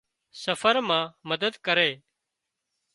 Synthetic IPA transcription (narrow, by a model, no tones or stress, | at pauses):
səfəɾmãːməd̪əd̪kəɾeː